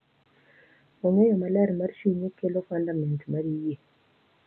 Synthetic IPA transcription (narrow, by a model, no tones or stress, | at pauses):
oŋejɔmalɛɾmarʃiɲekelokandamɛntmaɾije